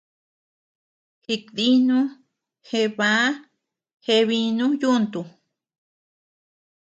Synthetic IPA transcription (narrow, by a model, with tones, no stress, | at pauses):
hi˧kði˦nũ˦ | he˧βa˧˦ | he˧βi˧nũ˦ju˦˧nt̪u˧